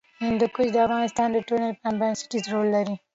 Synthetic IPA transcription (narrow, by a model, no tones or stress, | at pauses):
hɪ̃nd̪ukʊd͡ʒd̪əafɣɑnɪst̪ɑːnd̪əʈuɾnalpambɛnsɪ̥ʈizɾolːaɾi